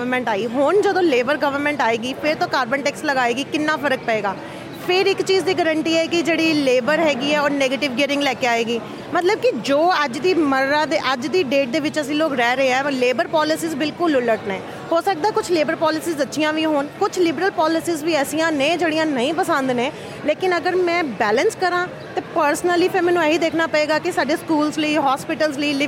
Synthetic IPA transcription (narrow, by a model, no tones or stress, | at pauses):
əɾmɛ̃ːɳʈaːiːɦond͡ʒəd̪õːleːbəɾɡəʋəɾmɛ̃ːɳʈaːeːɡiːpʰɪɾt̪õːkaːɾbəɳʈɛːksləɡaːeːɡiːkɪnːãːpʰəɾək̚pəeːɡaː | pʰɪɾɪkt͡ʃiːzd̪iːɡəɾəɳʈiːɛːkɪd͡ʒeːɽiːleːbəɾɦɛːɡiːɛːoːɾneːɡeːʈɪʋɡɛːɾɪ̃ŋɡlɛːkeaːeːɡiː | mət̪ləb̚kɪd͡ʒoːəd͡ʒd̪iːməɾːaːd̪eʔəd͡ʒd̪iːɖeːʈ̚d̪eːʋɪt͡ʃəsĩːloːkɾɛːɾəɦeɦɛ̃ːleːbəɾpɔːlɪsiːzbɪlkʊlʊləʈnɛ̃ː | hoːsək̚d̪aːkʊt͡ʃʰleːbəɾpɔːlɪsiːzd̪ətːʃɪjãːʋiɦoːnkʊt͡ʃʰlɪbɾəlpɔːlɪsiːzʋiːɛːsijãːnẽːd͡ʒeːɽijãːnəĩːpəsə̃nd̪nẽː | leːkɪnəɡəɾmɛ̃ːbɛːlənskəɾãː | t̪eːpəɾsnəliːpʰɪɾmɛːnũːeːɦiːd̪eːkʰnaːpəeːɡaːkɪsaːɖeːskuːlzləiːɦɔːspɪʈəlzləiːlɪ